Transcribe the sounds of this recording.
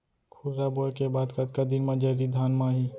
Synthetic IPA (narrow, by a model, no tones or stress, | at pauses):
kʰʊɾɾaboːkebaːd̪kɐd̪kɐd̪inmãd͡ʒəɾid̪ʱaːnmaɦiː